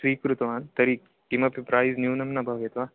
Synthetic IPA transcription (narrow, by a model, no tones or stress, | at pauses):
ʃɾiːkɾut̪ɐʋaːnt̪ɐɾiːkːimɐpipɾaːjznjuːnɐmnɐbʱaʋjet̪ʋaː